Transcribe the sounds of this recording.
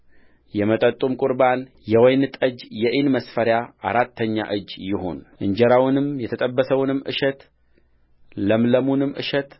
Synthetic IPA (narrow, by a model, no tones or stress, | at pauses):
jɛmət̪ʼət̪ʼumkʼuɾban | jɛwɔjnɨt̪ʼəd͡ʒjɛʔɪnməsfəɾjaa̰ɾat̪ʰːəɲːa̰ʔɨd͡ʒːjɪho̞̰nʔɨɲd͡ʒɛɾawnɨmjɛt̪ʰət̪ʼəbːəsəwnɨmːʔɨ̰ʃɛt̪ | ləmləmunɨmʔɨ̰ʃɛt̪